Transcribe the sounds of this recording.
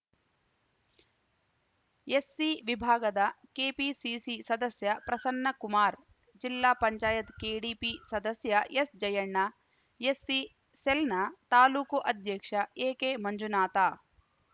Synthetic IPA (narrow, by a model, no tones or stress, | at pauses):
jesːiʋibʱaːɡɐd̪ɐkeːpisiːsisɐd̪ɐsjɐpɾɐsɐnːɐkumaːɾ | d͡ʒilːaːpɐɲt͡ʃaːjɐt̪keːɽiːpisɐd̪ɐsjɐesd͡ʒɐjɐɳːɐ | jesːi | selnɐt̪aːluːkuʔɐd̪ʱjɐkʂɐeːkeːmɐɲd͡ʒunaːt̪aː